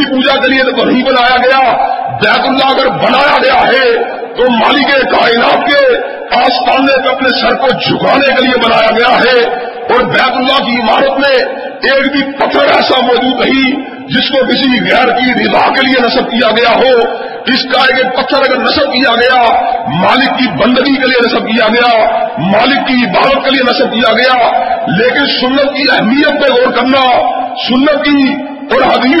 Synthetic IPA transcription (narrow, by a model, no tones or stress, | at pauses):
ipuːd͡ʒakeliet̪ot̪onəɦĩbənaːjaɡɐjabɛːt̪ʊlːaɐɡəɾbənaːjaɡɐjaɦɛ | t̪omaːlikekaːɪnaːt̪ke | aːst̪ʰaːnepeɐpnesəɾkod͡ʒʱʊkaːnekeliebənaːjaɡɐjaɦɛ | ɔːɾbɛːt̪ʊlːakiɪmaːɾət̪mẽ | eːkbʱipət̪ʰːəɾɛːsamɔːd͡ʒuːd̪əɦĩ | d͡ʒɪskokɪsiɣɛːɾkiɾɪd̪aːkelienɐsəb̚kijaɡɐjaɦo | ɪskaeːkeːk̚pət̪ʰːəɾɐɡəɾnɐsəb̚kijaɡɐjamaːlɪkːibə̃nd̪əɡikelijenɐsəb̚kijaɡɐjamaːlɪkːiɪbaːɾət̪̚kelijenɐsəb̚kijaɡɐjaleːkɪnsʊnːət̪̚kiɛɦmijət̪̚bẽɡoːɾkəɾnasʊnːət̪̚ki | ɔːɾɦɐd̪iː